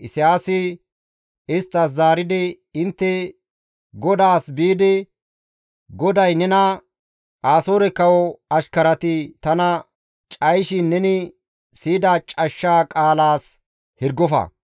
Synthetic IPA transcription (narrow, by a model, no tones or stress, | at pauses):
ɪsɪjaːsɪ | ɪst̪ːɐs̬zaːɾɪd̪ɪ | ɪnt̪ːɛ | ɡɔd̪aːsbiːd̪ɪ | ɡɔd̪ɐjnɛnɐ | ʔaːsoːɾɛkːɐwɔɐʃkɐɾɐt̪ɪt̪ɐnɐ | t͡ʃʼɐjʃɪnːɛnɪ | siːd̪at͡ʃʼɐʃːaːkʼaːlaːs | hɪɾɡɔfɐ̰